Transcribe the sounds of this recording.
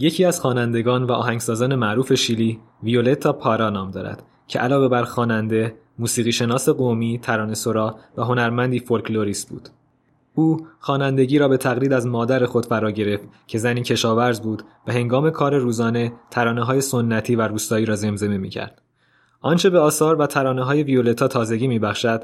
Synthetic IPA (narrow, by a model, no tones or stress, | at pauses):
je̞cʰiːæz̥xɒːnænd̪e̞ɡɒːnvæʔɒ̰ːɦæŋɟsɒːzɒːne̞mæʔɾuːfe̞ʃiːliː | vio̞le̞t̪ʰːɒːpʰɒɾɒːnɒːmd̪ɒːɾæ̰d̪̥ | cʰe̞ʔælɒːve̞bæɾxɒːnænd̪e̞ | muːsiːɣiːʃe̞nɒːse̞ɣomiːt̪ʰæɾɒːne̞so̞ɾɒːvæɦo̞næɾmænd̪iːfo̞lkʰlo̞ɾiːst̪̚bṵːd̪̥ | uːxɒːnænd̪e̞ɟiːɾɒːbe̞t̪ʰæɣliːd̪æzmɒːd̪æɾe̞xo̞d̪̥fæɾɒːɟe̞ɾe̞ft̪cʰe̞zæniːcʰe̞ʃɒːvæɾzbuːd̪̥væhe̞ŋɡɒːme̞kʰɒːɾe̞ɾuːzɒːne̞t̪ʰæɾɒːneɦɒːje̞sonːæt̪ʰiːvæɾuːst̪ɒːiːɾɒːze̞mze̞memḭːcʰæ̰ɾd̪̥ | ʔɒnt͡ʃʰe̞beɒːsɒːɾvæt̪ʰæɾɒːneɦɒːje̞vio̞le̞t̪ʰɒːt̪ʰɒːze̞ɟiːmiːbæxʃæd̪̥